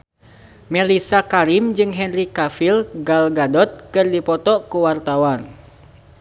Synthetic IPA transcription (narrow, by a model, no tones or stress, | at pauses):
mɛlisakaɾimd͡ʒɨŋɦɛnrikafilɡalɡadɔt̪̚kɨrdipɔt̪ɔkuwart̪awan